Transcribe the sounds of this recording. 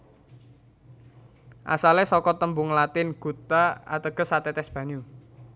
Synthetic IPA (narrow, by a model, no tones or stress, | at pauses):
ʔa̰salɛsɔkɔt̪əmbʊŋlat̪ɪnɡ̥ṳt̪aa̰t̪əɡ̥ə̤sat̪ɛt̪ɛsb̥ä̤ɲu